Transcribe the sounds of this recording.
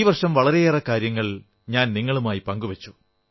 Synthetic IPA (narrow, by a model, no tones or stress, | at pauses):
iːʋɐrʂɐmʋɐɭɐɾe̞erɐkːaːɾjɐŋːɐɭ | ɲaːnniŋːɐɭumaːjipɐŋɡuʋɐt͡ɕːu̥